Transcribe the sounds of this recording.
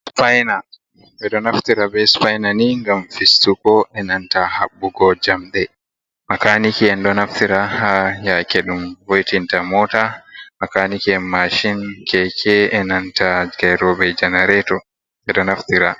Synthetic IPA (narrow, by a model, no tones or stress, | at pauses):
spajna | ɓɛɗɔnaftiɾabɛspajnaniŋɡamfistukɔʔɛnantahaɓːuɡɔd͡ʒamɗɛ | makanikiɛnɗɔnaftiɾahajakɛɗumvojtintamɔːtamakanikiɛmaʃinkʰɛkʰɛɛnantaɡajɾɔbɛd͡ʒɛnɛɾɛtɔ | ɛɗɔnaftiɾa